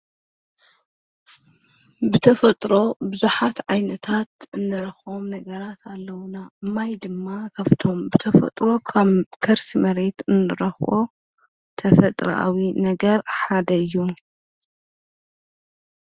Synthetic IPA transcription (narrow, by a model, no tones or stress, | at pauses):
bɨt̪ʰɐfɐt̪ʼɾo̞bɨzuħat̪ʕajnɐt̪ʰat̪ʔɨnːɨɾɐxo̞mnɐɡɐɾat̪ʰalːɐwnaɨmajd̪ɨmːakʰaβt̪ʰo̞mbɨt̪ʰɐfɐ̰t̪ʼɾo̞kʰaβkʰɐɾsimɐɾe̞t̪ɨnːɨɾɐxʔo | t̪ʰɐfɐt̪ʼɾɐ̰ʔa̰winɐɡɐɾħad̪ɐɨjːu